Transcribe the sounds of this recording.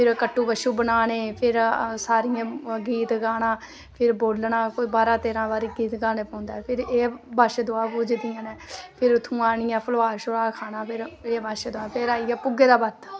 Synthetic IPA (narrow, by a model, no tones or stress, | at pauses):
pʰɪɾkəʈːuːbəʃuːbənaːneːpʰɪɾsaːɾɪjãːɡiːt̪ɡaːnãː | pʰɪɾboːlnãːkoibaːɾãːt̪eːɾãːbaːɾiːɡiːt̪ɡaːneːpə̃ːnd̪aːɛpʰɪɾeːbaːʃed̪oaːpuːd͡ʒd̪ɪjãːneːpʰɪɾt̪ʰũːaːɳɪjãːpʰəlʋaːʃʊɾaːkʰaːnaːpʰɪɾeːbaːʃed̪ʊaːpʰɪɾaːiɛːpʊɡeːd̪aːbət̪